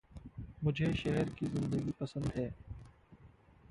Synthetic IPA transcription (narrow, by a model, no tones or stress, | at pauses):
mʊd͡ʒʱeʃɛɦɛɾkizɪ̃nd̪əɡipɐsə̃nd̪ɦɛː